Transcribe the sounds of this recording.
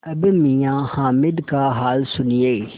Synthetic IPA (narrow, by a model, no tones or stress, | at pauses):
ɐbmijãːhaːmɪd̪kaɦaːlsʊnijeː